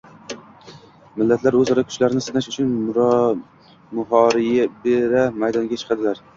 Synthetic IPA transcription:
mɪlːat̪ʰlaɾɵzɒɾakʰʊ̥t͡ʃlaɾɪnɪsɪnaʃʊt͡ʃʰʊn | mʊɦɒɾɪjabeɾamajd̪ɒŋɡʲat͡ʃʰɨ̥qʰɑd̪ɪlaɾ

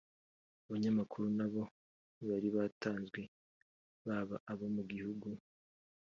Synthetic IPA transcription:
uβaɲamakʰuɾunaβo̞ | βaɾiβataːnzɡwe̞ | βaβaʔaβo̞muɡihuɡu

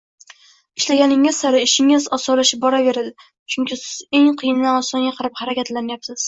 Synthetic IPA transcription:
ɪʃlaɡʲanɪŋɪz̥saɾɪɪʃɪŋɪzɒsɒlaʃɪp̚bɒɾave̞ɾad̪ɪ | t͡ʃʰʊŋkʲɪsɪz̥e̞ŋqʰɨjɪnːanɒsɒŋɡʲaqʰɨɾɪphɑɾakʲat̪lanjapsɪz̥

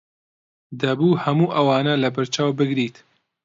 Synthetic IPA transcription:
d̪ɐbuːhɐmuːʔɐwɑːnɐlɐbɐɾt͡ʃaːwbɨɡɾiːt̪

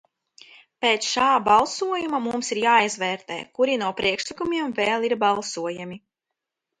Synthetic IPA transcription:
peːt̪sʃaːbalˠsuɔjumamumsiɾjaːizvɛːɾt̪ḛːkuɾinuɔpɾiɛkʃlˠikumʲiɛmveːlˠiɾbalˠsuɔjamʲi

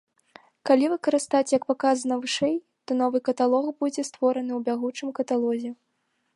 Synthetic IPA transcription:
kalʲivɨkɐɾɨst̪at͡sʲjɐkpakazɐnɐvɨʂɛj | t̪ɔn̪ɔvɨkɐt̪alˠɔxbud͡zʲɛst̪vɔɾɐnɨwbʲaɣut͡ʂɨmkɐt̪alˠɔzʲɛ

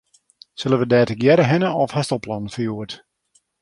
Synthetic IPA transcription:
søləʋədɛːtəɡjɛɾəɦɪnəɔfhɛstəlˠplɔnn̩fəjuət

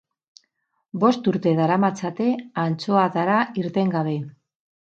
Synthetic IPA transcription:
bo̞st̪uɾt̪e̞ðaɾamat͡sat̪e̞ant͡so̞at̪aɾaiɾt̪e̞ŋɡaβ̞e̞

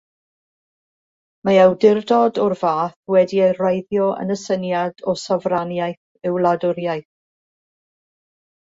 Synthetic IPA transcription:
maawdɪrdɔdɔrvaːθwɛdiejrajðjɔʔə̰nəsənjadɔsavranjajθ | ɪwlˠadʊɾjajθ

